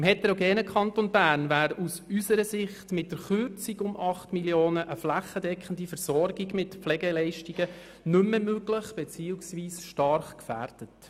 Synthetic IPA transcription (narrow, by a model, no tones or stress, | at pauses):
ɪmhɛtɛɾoɡɛːnəkχɑntonbæːɾnvæːɾusysəɾəsɪχtmɪt̚d̥əɾχʏɾt͡siɡʊmʔɑχtmiljoːnəʔəflæχədɛkχən̩difəɾsɔɾɡiɡmɪtplɛɡɛlɛɪʃtiɡ̥ə | nʏmːəmøɡlɪχb̥ɛt͡siːuksʋiːsʃtɑɾχkfæ̰ːrd̥ət